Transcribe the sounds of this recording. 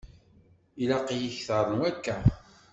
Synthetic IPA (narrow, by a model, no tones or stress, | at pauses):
ilɑqijiçθəɾˤənækːæ